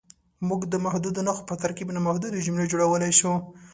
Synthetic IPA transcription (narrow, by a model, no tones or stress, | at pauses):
muɡd̪əmahd̪ud̪onaxo̥pət̪aɾkibnamahd̪ud̪od͡ʒʊmled͡ʒoɽawəlajʃu